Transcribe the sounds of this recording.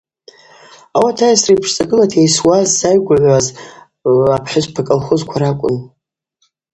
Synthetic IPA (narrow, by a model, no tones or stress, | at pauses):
awatʰajasrejpʰʂt͡sʼaɡʼɨlatʰejswazːajɡʷaʕʷaz | apʰħʷʊzʷpʰakʼɨlχʊzkʷʰaɾakʷʼʊ̰n